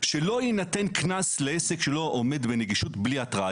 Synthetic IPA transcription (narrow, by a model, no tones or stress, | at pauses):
ʃelo̞jinate̞nknasleesekʃelo̞ʔome̞dbe̞neɡiʃutbliatʁa